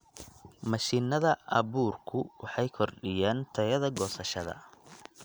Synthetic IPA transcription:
mɐʃiːnɐðɐʔɐβuːrkʰʊwɑħɑjkʰɔrɖɪjaːnt̪ʰɐjɐðɐɡɔːsɐʃɐðɐ̰

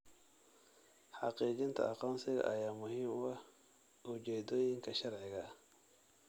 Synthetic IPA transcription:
ħɑqiːt͡ʃɪnt̪ʰɐ̰ʔɐqɔːnsɪɣɐ̰ʔɐjaːmʊɦiːmwɐh | ʔʊt͡ʃɛːd̪ɔːjɪŋkʰɐʃɐrʕɪɣɐ

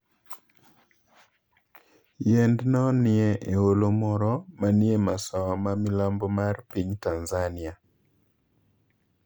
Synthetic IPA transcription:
jɛndnɔnɪɛʔeolomɔɾɔmanɪemasɔmamɪlambɔmarpiɲtanzanɪa

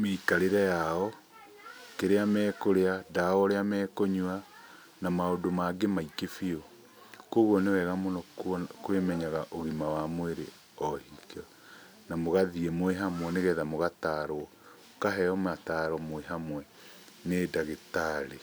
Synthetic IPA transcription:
meikaɾeɾɛjaɔ | keɾeamɛːkoɾeadaɔɾeamɛːkoɲua | namaodomaɡemaikefiɔ | koɣɔnewɛɣamonɔkwemɛɲaɣaʔoɣimawamweɾe | ɔhikɔ | namoɣaðiɛmwɛɦamwɛneɣɛðamoɣataɾoɔ | kaɦɛɔmataɾɔmwɛɦamwɛ | nedaɣetaɾe

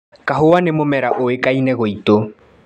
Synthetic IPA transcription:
kaɦowanemomɛɾaʔoekainɛɣoito

